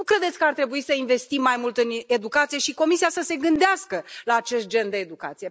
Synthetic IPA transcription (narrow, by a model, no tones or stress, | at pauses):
nukɾe̞d̪et̪sʲkəart̪ɾe̞buisəinve̞st̪imːajmult̪ɨne̞d̪ukat̪sije̞ʃiko̞misijasəse̞ɡɨnd̪easkəlaːt͡ʃe̞st̪̚d͡ʒe̞nd̪e̞ːd̪uka̰t̪sije